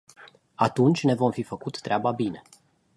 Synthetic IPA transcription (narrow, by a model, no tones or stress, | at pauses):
at̪unt͡ʃʲne̞vo̞mfifəkut̪ːɾeababine̞